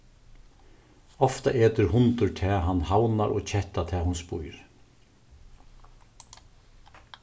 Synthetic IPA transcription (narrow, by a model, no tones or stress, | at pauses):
ɔft̪a̰ʔeːt̪ʏɾhʊnt̪ʊɹt̪ʰɛːɦanːhawnaɾʔɔ̰ːt͡ʃʰɛht̪at̪ʰɛːhʊnspujɾ